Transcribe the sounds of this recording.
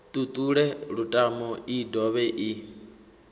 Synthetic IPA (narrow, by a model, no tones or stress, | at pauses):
t̪ʼut̪ʼuɺɛɺutʼamɔidɔβɛʔi